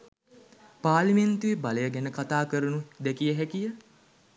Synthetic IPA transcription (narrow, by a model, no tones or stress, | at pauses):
paːliment̪uʋebaləjəɡɛnəkat̪aːkəɾunud̪ɛkijəɦɛkijə